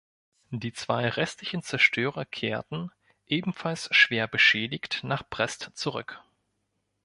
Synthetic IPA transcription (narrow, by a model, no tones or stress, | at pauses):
d̥iːt͡sv̥aɪʁɛstlɪçn̩t͡sɛɐʃtʰøːʁɐkʰeːɐtn̩ | ʔeːbm̩falsʃv̥eːɐbəʃɛːdɪçtnaːχpʁ̥ɛstt͡suʁʏ̰k